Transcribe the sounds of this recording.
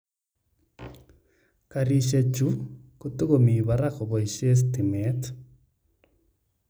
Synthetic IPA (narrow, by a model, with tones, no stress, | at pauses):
kaɾi˨ʃe˨t͡ʃu˦kotu˦ɣomi˨βaɾakoβɔ˨i˨ʃe˦s̬timɛt